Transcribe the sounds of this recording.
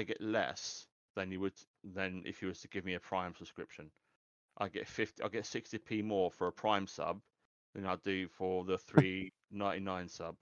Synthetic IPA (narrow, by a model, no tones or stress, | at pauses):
aɪɡɛʔlɛ̰s | ðə̃njəwəd | ðə̃nɪ̰fjəwəz̥tʰəɡɪvmiəpʰɹ̥ãɪ̃msəb̥skɹ̥ɪpʃə̃n | ʔa̰ɪɡɛ̰tfɪftiaɪlˠɡɛtsɪkstipʰiːmɔːfəɹəpʰɹ̥ãɪ̃msʌ̰b̚ | ðə̃naɪdəfəðəθɹiː | nãɪ̃ninãɪ̃nsʌ̰b̥̚